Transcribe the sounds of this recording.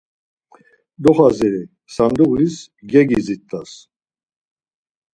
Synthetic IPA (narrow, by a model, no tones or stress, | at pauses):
d̪ɔχazɛɾi | sand̪uɣlis | ɡɛɡizit̪ʰʼːas